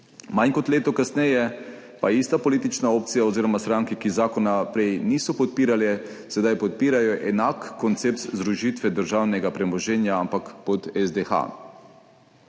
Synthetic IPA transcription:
majnkɔt̪leːt̪ɔkasnɛjɛ | paist̪apɔliːt̪it͡ʃnaoːp̚t̪sijaoziːɾɔmast̪ɾaŋkikizaːkɔnapɾɛjniːsɔpɔt̪̚piːɾalɛ | sɛd̪ajpɔt̪̚piːɾajɔʔɛnakːɔnt̪sep̚t̪zd̪ɾuʒit̪ʋɛd̪əɾʒaːwnɛɡapɾɛmɔʒɛnjaampakpɔt̪ɛzd̪exa̰

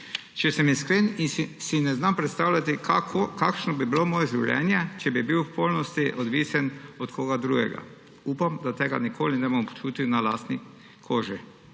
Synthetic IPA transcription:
t͡ʃɛsɛmiskleːninsinɛznampɾɛt̪st̪awlʲat̪ikaokakʃnɔbibilomoːjɛʒiwlʲɛ̰njɛt͡ʃɛbibiwppolnɔst̪iʔɔd̪ʋisɛnɔt̪kʰoːɡad̪ɾuɡɛ̰ɡa̰ | uːpamd̪at̪eːɡa̰nikʰoːlinɛbompɔ̥t͡ʃuːt̪iwnalaːst̪ni | kʰoːʒi

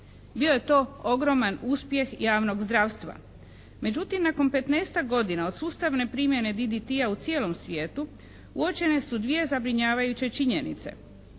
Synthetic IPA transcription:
bio̞je̞t̪o̞ːo̞ɡɾo̞manuːspje̞xjaːʋno̞ɡzd̪ɾaːʋst̪ʋa̰ | me̞d͡ʑut̪imnako̞mpe̞t̪neːst̪aɡo̞d̪inao̞d̪suːst̪aʋne̞pɾiːmje̞ne̞d̪id̪it̪iaut̪sjeːlo̞msʋʲje̞ːt̪u | ṵot͡ʃe̞ne̞sud̪ʋije̞zabɾiɲaːʋajut͡ɕe̞t͡ʃiɲe̞nḭt̪se̞̰

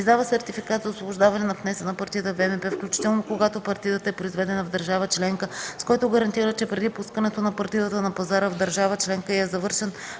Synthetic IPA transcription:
izd̪avəsɛɾt̪ifikat̪zɐosvobʊʒd̪avɐnɛnɐpnɛsənɐpɐɾt̪ijət̪əvɛmɛpɛfklʲut͡ʃi̥t̪ɛlˠnokoɡat̪opɐɾt̪ijət̪əɛpɾoʊizvɛd̪ɛnɐvd̪ɐɾʒavət͡ʃlɛŋkəskɔjt̪oɡɐɾɐnt̪iɾət͡ʃɛpɾɛd̪ipuskənɛt̪onɐpɐɾt̪iət̪ənɐpɐzaɾəvd̪əɾʒavət͡ʃlɛŋkəɛzɐvɤɾʃɛn

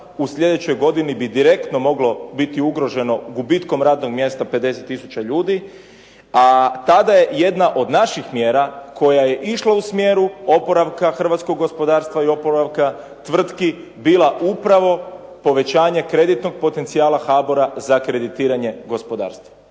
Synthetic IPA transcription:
usʎʲe̞d̪e̞t͡ɕo̞jɡo̞d̪inibid̪iɾe̞kt̪no̞mo̞ɡlo̞bit̪iuɡɾo̞ʒe̞no̞ɡubit̪ko̞mɾaːd̪no̞ɡmje̞st̪ape̞d̪e̞set̪ːisu̥t͡ɕaʎuːd̪i | at̪ad̪aje̞je̞d̪naʔo̞d̪naʃixmjeːɾakʰo̞jaje̞ʔiʃlˠausmjeːɾuo̞po̞ɾaʋkaxr̩ʋat̪sko̞ɡːo̞spo̞d̪aːɾst̪ʋaio̞po̞ɾaʋka | t̪ʋr̩t̪ki | biːlˠaʔupɾaʋo̞ | po̞ʋe̞t͡ɕaːɲe̞kɾe̞d̪it̪no̞ɡ̚po̞t̪e̞nt̪siaːlˠaxaːboɾazakɾe̞d̪it̪iːɾaɲe̞ɡo̞spo̞d̪a̰ːɾst̪ʋa

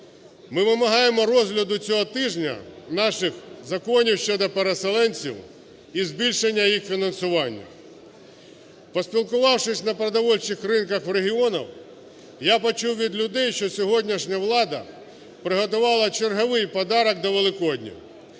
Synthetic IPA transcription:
mɪʋɪmɐɦɑjemɔɾɔzɦlʲɐd̪ʊt͡sʲɔɦɔt̪ɪʒnʲɐ̰nɑʃɪxzɐkɔnʲiwʃt͡ʃɔd̪ɔpeɾeselˠɛnʲt͡sʲḭw | izbʲilʲʃenʲːɐjixfʲinɐnsʊʋɑnʲːɐ̰ | pɔsʲpʲilˠkʊʋɑwʂɪsʲnɐpɾɐd̪ɐʋɔlʲt͡ʃɪxrɪnkɐxɾeɦʲiɔnɐ̰w | japɔt͡ʃuwʋʲid̪lʲʊd̪ɛjʃt͡ʃɔsʲɔɦɔdʲnʲiʃnʲɐʋlˠɑd̪ɐ̰ | pɾɪɦɔt̪ʊʋɑlˠɐt͡ʃerɦɔʋɪjpɔd̪ɑɾɐk̚d̪ɔʋelˠɪkɔdʲnʲɐ̰

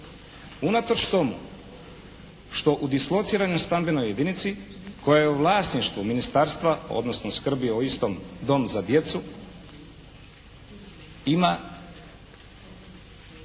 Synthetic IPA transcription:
unat̪ot͡ʃt̪o̞mṵ | ʃt̪o̞ʔud̪islˠo̞t̪siːɾaɲost̪ambenoje̞d̪init̪si | ko̞jajeuʋlˠaːsniʃt̪vʋuminist̪aɾst̪ʋao̞̰d̪no̞snoskr̩bioist̪o̞md̪o̞mzad̪je̞t̪su | ima

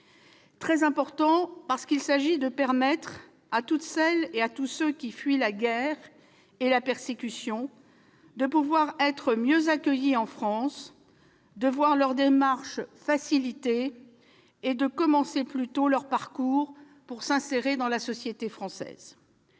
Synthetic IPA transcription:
t̪χɛzɛ̃pɔʁt̪ɑ̃paʁsə̥kilsaʒid̪əpɛʁmɛt̪χ | at̪ut̪sɛleat̪usøkʲifɥilaɡʲɛʁ | elapɛʁsekʲysjɔ̃ | d̪əpuvwaʁɛt̪χəmjøzakʲœjiɑ̃fχɑ̃s | d̪əvwaʁlœʁd̪emaʁʃfasilit̪e | d̪əkɔmɑ̃seplyt̪olœʁpaʁkuːʁ | puʁsɛ̃seʁed̪ɑ̃lasɔsjet̪efχɑ̃sɛ̰ːz̥

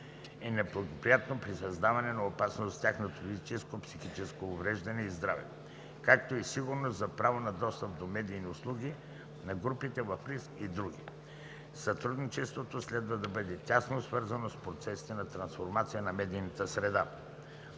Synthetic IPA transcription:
ɛnɛblˠɐɡopɾijat̪nopɾisɐzd̪avɐnɛnɐopasnost̪ʲaxnot̪ofizit͡ʃɛskopsixit͡ʃɛskoːvɾɛʒd̪ɐnɛizd̪ɾavɛ̰ | kakt̪oisiɡʊɾnost̪zɐpɾavonɐd̪ɔst̪əp̚d̪omɛd̪ijniʊslˠuɡ̟i | nɐɡɾupit̪ɛvɐfɾiskid̪ɾuɡʲḭ | sɐt̪ɾud̪nit͡ʃɛst̪vot̪oslɛd̪vɐd̪ɐbəd̪ɛt̪ʲasnosvɤɾzɐnospɾot̪sɛsi̥t̪ɛnɐt̪ɾɐnsfoɾmat̪sijənɐmɛd̪ijnɐt̪əsɾɛd̪a

